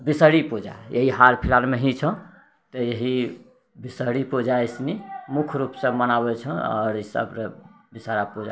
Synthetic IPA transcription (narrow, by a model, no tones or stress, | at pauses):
bisəɽipod͡ʒa̰jeɦiɦaɾpʰilalmeɦit͡ʃʰə̃ | t̪ɔjeɦi | bisəɽipod͡ʒaisnimukʰɾupsə̃mənabɛt͡ʃʰə̃ɔ̰ɾisə̰bɾə | bisaɾapod͡ʒa